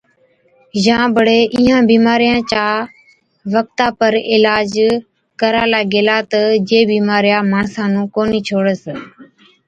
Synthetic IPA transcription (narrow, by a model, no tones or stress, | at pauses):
d͡ʒãːbəɽeːʔiːɦãːbiːmaːɾɪjãːt͡ʃaː | ʋək̚t̪aːpəɾɪlaːd͡ʒ | kəɾaːlaːɡeːlaːt̪əd͡ʒeːbiːmaːɾɪjaːmaːɳsãːnũːkoːniːt͡ʃʰoːɽəs